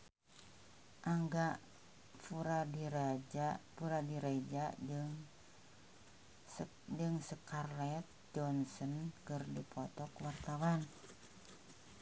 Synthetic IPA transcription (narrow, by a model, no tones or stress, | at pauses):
ʔaŋɡa | fuɾadiɾad͡ʒapuɾadiɾad͡ʒa | d͡ʒəŋsəkarlɛt̪̚ | d͡ʒɔnsɔnkərdipʰɔt̪ɔkwart̪awan